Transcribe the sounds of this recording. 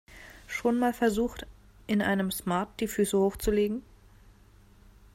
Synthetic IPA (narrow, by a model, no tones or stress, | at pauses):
ʃoːnmaːlfɛɐzuːxt | ʔɪnʔa̰ɪnəmsmaɐt̚d̥iːfyːsəhoːxt͡suleːɡŋ̩